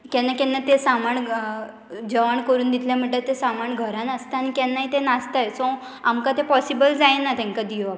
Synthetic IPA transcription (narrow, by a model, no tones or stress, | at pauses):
kɛ̃nːakɛ̃nːat̪esamaɳ | d͡ʑəʋaɳkəɾuːnd̪it̪ʰljãm̤əʈlet̪esamaɳɡʱəɾãnəst̪aañikɛ̃nːaɦit̪enast̪ajsɔ̃ | amkat̪epɔsibəld͡zajenat̪ɛ̃ŋkad̪ijoa